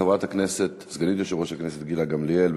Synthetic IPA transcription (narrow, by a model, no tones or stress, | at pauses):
avat̪akneset̪zɡanit̪joʃevʁoʃhakneset̪ɡilaɡamlielb